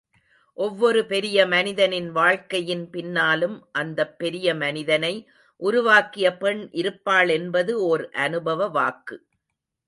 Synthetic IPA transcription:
ʔɔʋːɔɾɯpɛɾɪjɐmɐnɪðɐnɪnʋaːɻkɐjɪnpɪnːaːlɯmʔɐnd̪ɐpːɛɾɪjɐmɐnɪðɐnɐɪ | ʔʊɾʊʋaːkɪjɐpɛɳʔɪɾɯpːaːɭɛnbɐðɯoɾʔɐnɯbɐʋɐʋaːkːɯ

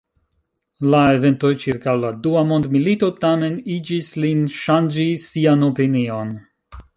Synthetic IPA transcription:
lae̞ve̞nto̞jt͡ʃiɾkawladuamo̞ndmilito̞tame̞nid͡ʒislinʃand͡ʒisiano̞pinio̞n

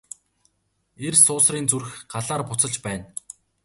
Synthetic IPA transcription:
ersʊːsriːnt͡sur̆xɢaɮaːrpʊt͡sə̆ɮt͡ɕpæːn

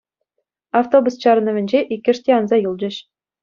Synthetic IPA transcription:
aft̪obust͡ɕɑɾɤ̆nɤ̆ʋʲɘ̆nʲd͡ʑeʔikʲːɘ̆ʂtʲeɑnzɑjɯlˠd͡ʑɘ̆ɕ

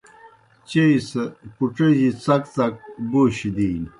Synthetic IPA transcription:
t͡ɕeisekuʈ͡ʂeʑit͡sɐkt͡sɐk̚buɕid̪iːn

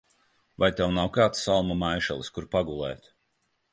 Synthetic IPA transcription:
vajt̪ɛwnawkaːt̪sːalˠmamajʃɛ̰lˠiskuɾpaɡulˠɛ̰ːt̪

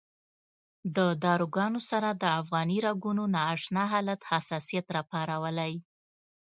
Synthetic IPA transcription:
d̪əd̪ɑɾuɡɑnosaɾad̪əafɣɑniɾaɡunonɑːʂnɑɦɑlat̪hasɑsijat̪ɾɑpɑɾawəlaj

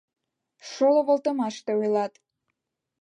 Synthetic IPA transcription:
ʃolŏβə̆lt̪əmɑʃt̪eujlɑt̪

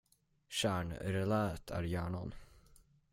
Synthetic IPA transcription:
ɕæːɳɾɛlæːət̪ʰæ̰ɾjæːɳan

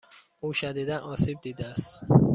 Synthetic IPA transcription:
ʔuːʃæd̪iːd̪ænʔɒːsiːb̚d̪iːd̪eæst̪

